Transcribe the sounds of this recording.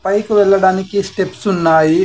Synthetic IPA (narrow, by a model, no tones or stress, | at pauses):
pɐjkuʋɛɭːɐɽaːnikisʈe̞psunːaːji